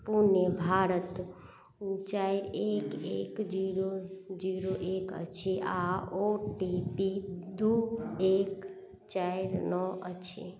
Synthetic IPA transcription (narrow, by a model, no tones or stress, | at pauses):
punebʱaɾət̪ | t͡ʃaɾekekd͡ʒiɾod͡ʒiɾoʔekə̰t͡ʃʰeaoʈipid̪uek | t͡ʃaiɾnɔʔət͡ʃʰḛ